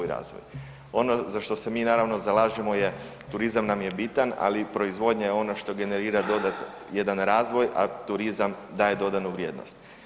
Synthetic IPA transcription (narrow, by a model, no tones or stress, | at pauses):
jɾa̰ːzʋo̰j | o̞nozaʃt̪o̞se̞miːnaːɾaʋno̞zalˠaːʒimo̞je̞ | t̪uɾizamnamje̞bit̪ana̰lipɾo̞izʋo̞d̪ɲajeo̞noʃt̪o̞ɡe̞ne̞ɾiːɾad̪o̞d̪at̪ | je̞d̪anɾaːzʋo̞jʔa̰t̪uɾizam | d̪aːje̞d̪o̞d̪anuʋɾje̞ːd̪no̞̰st̪